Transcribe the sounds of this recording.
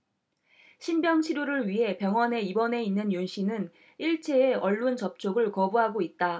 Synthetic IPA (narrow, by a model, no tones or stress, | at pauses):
ɕʰinbjʌŋɕʰiɾjoɾɯɭɥiɦe̞pjʌŋwʌne̞ibʌne̞inːɯnjonɕʰinɯn | iɭt͡ɕʰeːʌɭːunt͡ɕʌp̚t͡ɕʰoɡɯɭkʌbuɦaɡoit̚t͈a